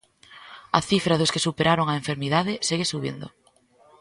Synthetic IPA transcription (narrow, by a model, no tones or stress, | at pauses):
ɐ̰θifɾaðʊskesupeɾaɾoŋaeɱfeɾmiðaðɪseɣesuβḭnd̪o̰